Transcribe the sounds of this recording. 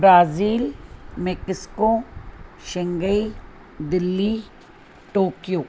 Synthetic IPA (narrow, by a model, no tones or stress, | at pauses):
bɾaːziːlmekɪsko | ʃɪ̃ŋɡəi | d̪ɪlːi | ʈoːkijoː